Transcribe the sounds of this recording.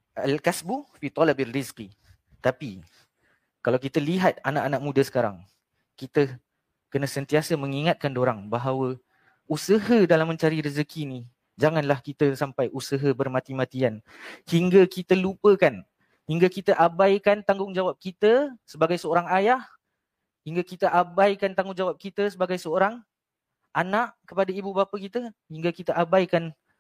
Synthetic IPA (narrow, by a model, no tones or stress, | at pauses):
alkasbufit̪ɔlabalːiski | t̪api | kalawkit̪əliɦat̪̚anaʔanak̚mũdəsə̥kaɾa̰ŋ | kit̪ə | kənãsənt̪iasəmə̃ŋiŋat̪̚kandoɾaŋbaɦawə | usəɦədalamːə̃ɲt͡ʃaɾiɾəzəkini | d͡ʒaŋanlahkit̪əsampajʔusəɦəbərmãt̪imat̪ian | hiŋɡakit̪əlupəkan | hiŋɡakit̪əʔabajkant̪aŋɡʊŋd͡ʒawap̚kit̪əsəbaɡajsəoɾaŋajah | hiŋɡakit̪əʔabajkant̪aŋɡʊŋd͡ʒawap̚kit̪əsəbaɡajsəoɾaŋ | ʔanaʔkəpadaibubapəkit̪əhiŋɡakit̪əʔabajkan